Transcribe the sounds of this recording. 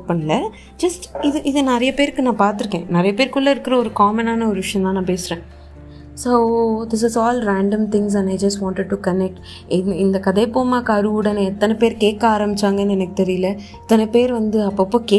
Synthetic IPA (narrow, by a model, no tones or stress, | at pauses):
pɐnːɐlɐ | d͡ʒɐsʈɪðɯʔɪðɨnɐɾɐjɐpeːɾkːɯnãːpaːɾt̪ɯɾɯkːẽːnɐɾɐjɐpeːɾkʊɭːɐɪɾɯkːɪɾɐɔɾɯkaːmɐnaːnɐɔɾɯʋɪʂjɐ̃nt̪ãːnãːpeːsɪɾẽː | soːd̪ɪs̬ɪsɔːlɾaːɳɖɐ̃mt̪ɪ̃ŋs̬ɐ̃naɪd͡ʒɐsʈʋãːɳʈɪɖ̚ʈukɐnɛk̚ʈ | ɪɪnd̪ɐkɐðɐɪpoːmaːkɐːɾɯʊɽɐneɛt̪ːɐnɛpeːɾkeːkːaːɾɐmbɪt͡ʃːaːŋɡɐnːɯɛnɐkːɯ̥t̪ɛɾɪjɪlɐ | ɛt̪ːɐnɛpeːɾʋɐnd̪ɯɐpːɐːpːoːkeː